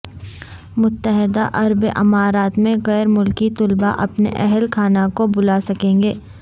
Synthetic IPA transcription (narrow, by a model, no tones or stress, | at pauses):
mʊt̪ːəɦɪd̪aʔɐɾbʔɪmaːɾaːt̪mẽɣɛːɾmʊlkit̪ʊlba̰ʔɐpnḛʔɛɦɛlkʰaːnakobʊlaːsɐkẽːŋɡeː